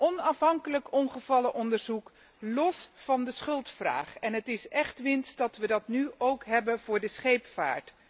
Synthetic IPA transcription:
ʔɔnɑfɦɑŋkələkɔnχəv̥ɑləʔɔndəɹzuk | lɔsfɑndəsχɵlˠtfra̰ːχɛnɦətɪsɛχtʋɪnsdɑtʋədɑtnyowkɦɛbənv̥ʊːɹdəsχejpfa̰ːɹt

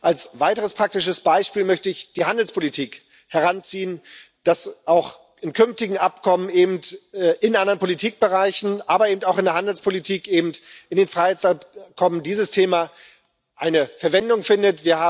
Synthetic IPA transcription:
ʔalsv̥aɪtəʁ̞əspʁ̥ak̚tɪʃəsb̥aɪʃpiːlmœçtəɪçd̥iːhandl̩spʰolitʰiːk | hɛʁ̞ant͡siːən | d̥asʔaʊx | ɪnkʰʏnftɪɡŋ̩ʔapkʰɔməneːbm̩tɛʔɪnʔandɐʁənpʰolitʰiːk̚b̥əʁaɪçn̩ʔaːbɐeːbm̩taʊxɪndeɐɦandl̩spʰolitʰiːkʔeːbm̩tɪndeːnfʁ̥aɪhaɪt͡ssapkʰɔməndiːzəstʰeːma | ʔaɪnəfɛɐvɛndʊŋfɪndətviːɐhaː

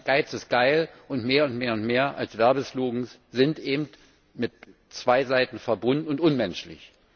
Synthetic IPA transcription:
ɡ̥aɪt͡sɪsɡ̥aɪlʔʊntmeːɐʊntmeːɐʊntmeːɐʔa̰lsv̥ɛɐbəsluːɡŋ̩sz̥ɪntʔeːbm̩t | mɪt | t͡sv̥aɪzaɪtn̩fɛɐbʊndn̩ʊntʔʊnmɛnʃlɪ̰ç

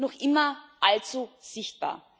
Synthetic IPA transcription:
nɔχʔɪmɐʔalt͡suz̥ɪçt̚b̥a̰ːɐ

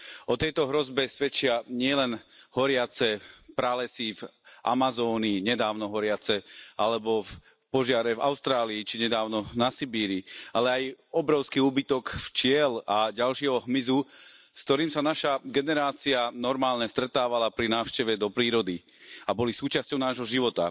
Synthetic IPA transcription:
ʔɔt̪ɛjt̪ɔɦɾɔzbɛsʋɛt͡ʃɪaɲɪɛlɛnɦɔɾɪat͡sɛpɾalɛsivʔa̰mazɔːniːɲɛd̪aːʊnɔɦɔɾɪat͡sɛʔalɛbɔf | pɔʒɪaɾɛva̰ʊst̪ɾaːliːt͡ʃiɲɛd̪aːʊnɔnasibiːɾialɛajɔbɾɔʊskiuːbit̪ɔkft͡ʃɪɛlaɟalʃɪɛɦɔɦmizuskt̪ɔɾiːmsanaʃaɡɛnɛɾaːt͡sianɔɾmaːlɲɛst̪ɾɛt̪aːʋalapɾinaːʊʃcɛʋɛd̪ɔpɾiːɾɔd̪i | abɔlisuːt͡ʃascɔʊnaːʒɦɔʒiʋɔt̪a̰

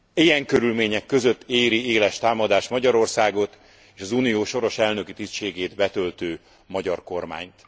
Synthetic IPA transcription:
ejɛŋkøɾylmeːɲɛkːø̞zø̞t̪ːeːɾieːlɛʃt̪aːmɒd̪aːʃmɒɟɒɾo̞rsaːɡo̞t̪ | eːʃɒzuːnijoːʃo̞ɾo̞ʃɛlnø̞kit̪isʃeːɡeːd̪bɛt̪ø̞lt̪øː | mɒɟɒrko̞rma̰ːɲt̪

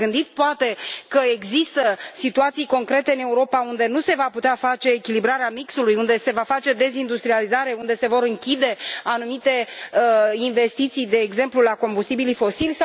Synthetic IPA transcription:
ɨnd̪it̪poat̪e̞kəe̞ɡzist̪əsit̪uat̪sijko̞ŋkɾe̞t̪eɨne̞uɾo̞paund̪e̞nuse̞vaput̪eafat͡ʃe̞ːkʲilibɾaɾeamiksulujund̪e̞se̞vafat͡ʃe̞d̪e̞zind̪ust̪ɾializaɾe̞und̪e̞se̞vo̞ɾɨŋkʲid̪e̞anumit̪e̞əinvest̪it̪sijd̪e̞ːɡze̞mplulako̞mbust̪ibilifo̞silʲsa

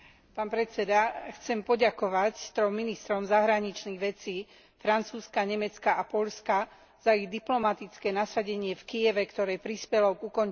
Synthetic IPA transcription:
paːnpɾɛt͡sɛd̪axt͡sɛmpɔɟakɔʋact̪ɾɔmmːinist̪ɾɔmzaɦɾaɲit͡ʃniɣʋɛt͡siː | fɾant͡suːskaɲɛmɛt͡skaʔapɔʎska | z̥aiɣd̪iplɔmat̪it͡skɛːnasaɟɛɲɪɛfkijɛʋɛkt̪ɔɾɛːpɾispɛlɔɡukɔn

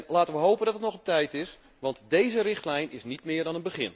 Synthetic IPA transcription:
nlaːtənʋəɦowpəndɑtətnɔχətɛjtɪs | ʋɑntdejzərɪχtlɛjnɪsnitmɪːɹdɑnənbəχɪ̰n

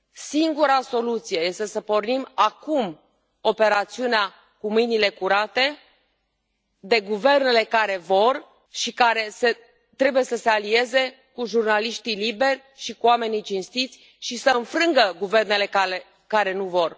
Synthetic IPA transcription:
siŋɡuɾaso̞lut̪sije̞je̞st̪e̞səpo̞rnimakum | o̞pe̞ɾat̪siunea | kumɨjnile̞kuɾat̪e̞ | d̪e̞ɡuve̞rne̞le̞kaɾe̞vo̞r | ʃikaɾe̞se | t̪ɾe̞buje̞səse̞alie̞ze̞ | kuʒurnaliʃt̪ilibe̞rʲ | ʃikuame̞nit͡ʃinst̪it̪sʲ | ʃisəɨnfɾɨŋɡəɡuve̞rne̞le̞kale | kaɾe̞nuvo̞r

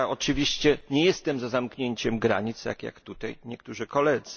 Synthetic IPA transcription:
ɔt͡ʂɘvʲiɕt͡ɕɛɲɛjɛst̪ɛmzazamkɲeɲt͡ɕɛmɡɾa̰ɲit̪sja̰kja̰kt̪ut̪ajɲɛkt̪uʐɘkɔlɛd̪z

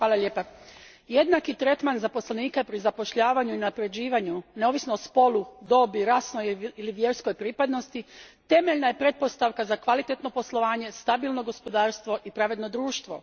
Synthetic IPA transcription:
xʋaːlaʎʲeːpa | je̞d̪nakit̪ɾe̞t̪manzapo̞sleniːkapɾizapo̞ʃʎaːʋaɲuinapɾe̞d͡ʑiːʋaɲuneo̞ʋisnoːspo̞lˠud̪o̞biɾaːsnojiliʋje̞ɾsko̞jpɾiːpad̪no̞st̪it̪e̞meʎnaje̞pɾe̞t̪̚po̞st̪aʋkazakʋalit̪e̞t̪no̞po̞slo̞ʋaːɲe̞st̪abilˠno̞ɡo̞spo̞d̪aːɾst̪ʋo̞ʔipɾaʋe̞d̪no̞d̪ɾuːʃt̪ʋo̞̰

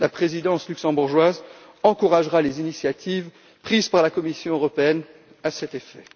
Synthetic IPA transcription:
lapχezid̪ɑ̃slyksɑ̃buʁʒwaz | ɑ̃kuʁaʒʁalezinisjat̪ʰiv | pχizpaʁlakɔmisjɔ̃øʁɔpeɛn | asɛt̪efɛ

